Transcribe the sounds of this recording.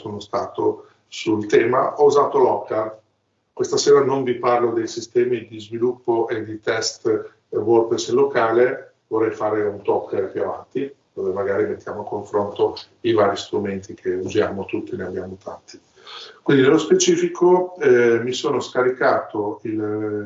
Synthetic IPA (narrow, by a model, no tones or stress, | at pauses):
soːnost̪aːt̪o | sult̪ɛːma̰ʔɔuzaːt̪olɔkːa | kwest̪aseːɾanoɱviparlod̪ejsist̪ɛːmid̪izvilupːoʔed̪it̪ɛst̪ | worpɾeslokaːle | vorːɛjfaːɾeunt̪ɔpːd̪elapjuava̰nt̪id̪̥oːvemaɡaːɾimet̪ːjaːmoakoɱfɾont̪o | ivaːɾist̪ɾument̪ikʰeuzjaːmot̪ut̪ːineabjaːmot̪ʰa̰nt̪i̥ | kwind̪inelospet͡ʃiːfikʰoɛmisoːnoskaɾikaːt̪oil